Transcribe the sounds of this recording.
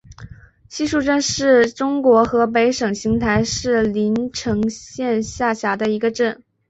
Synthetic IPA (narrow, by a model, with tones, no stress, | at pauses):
ɕi˥˧ʂu˥˧ʈ͡ʂə˥˧nʂɻ̩˥˩ʈ͡ʂʊ˥ŋkwɔ˧˥xɤ˧˥p̬e˧˥ɪʂɤ˨˩ŋɕi˧˥ŋt̪ʰa˧˥ɪʂɻ̩˥˩li˧˥nʈ͡ʂʰɤ˧˥ŋɕjɛ˥˧nɕja˥˩ɕja˧˥d̪ə˧i˧˥ɡə˧ʈ͡ʂə˥˩n